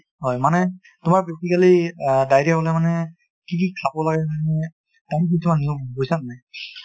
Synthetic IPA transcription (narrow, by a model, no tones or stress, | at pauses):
ɦɔjmanɛ | tʊmaɹbesikalidajɾabɔlɛmanɛ | kik̬ikʰabɔlaɡɛanɛ | tamik̬isʰumanːiubojsannaj